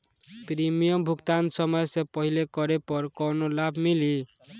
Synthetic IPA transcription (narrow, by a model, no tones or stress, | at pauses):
pɾimijʌmbʱukt̪ansʌmʌjsepʌɦilekʌɾepʌɾkʌwnolabʱmili